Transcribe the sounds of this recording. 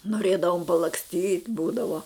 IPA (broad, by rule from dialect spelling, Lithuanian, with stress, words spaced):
noːˈrʲeːdɐʋoːm pɐlˠɐksʲˈtʲiːtʲ ˈbuːdɐʋoː